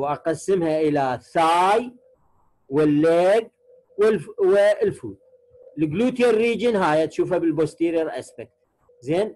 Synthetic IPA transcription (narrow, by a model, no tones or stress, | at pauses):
wʔaqasːɪmhaʔɪlaθaːj | wɪlːeːɡ̚ | wɪlwɪlfuːd̪̚ | lɡluːt̪jarːiːd͡ʒɪnɦaːjat̪ʃuːfabɪlbost̪iːɾiɾʔa̰sbɪk̪̚ | zeːn